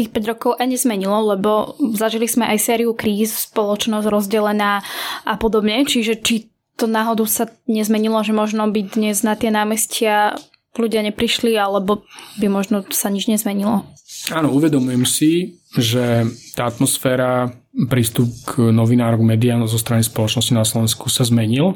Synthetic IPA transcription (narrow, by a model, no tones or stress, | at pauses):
t̪iːxpɛɟɾɔkɔʊʔajɲɛzmɛɲilɔlɛbɔzaʒilizmɛʔajsɛːɾiukɾiːsspɔlɔt͡ʃnɔzɟɾɔzɟɛlɛnaːʔapɔd̪ɔbɲɛt͡ʃiʒɛt͡ʃi | t̪ɔnaɦɔd̪usaɲɛzmɛɲilɔʒɛmɔʒnɔbid̪ɲɛznat̪ɪɛnaːmɛscɪa | luɟɪaɲɛpɾiʃlialɛbɔbimɔʒnɔsaɲid͡ʒɲɛzmɛɲilɔaːnɔuʋɛd̪ɔmujɛmsi | ʒɛt̪aːat̪mɔsfɛːɾa | pɾiːst̪up̚ɡnɔʋinaːɾɔɡmɛːd̪iazɔst̪ɾanispɔlɔt͡ʃnɔscinaslɔʋɛnskusazmɛɲil